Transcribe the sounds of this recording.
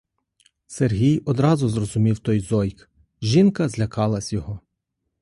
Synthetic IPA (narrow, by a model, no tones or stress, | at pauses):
serɦʲijɔd̪ɾɑzʊzrɔzʊmʲiwt̪ɔjzɔjk | ʒinkɐzlʲɐkɑlˠɐsʲjɔɦɔ